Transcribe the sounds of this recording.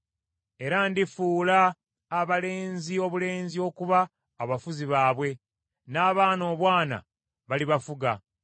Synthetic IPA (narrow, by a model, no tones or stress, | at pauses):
e̞ɾandifuːlaː | βale̞ːnzio̞βule̞ːnzio̞kuβaː | βafuziβaːβwe̞ | naːβaːno̞ːβwaːna̰ | βaliβafuɡa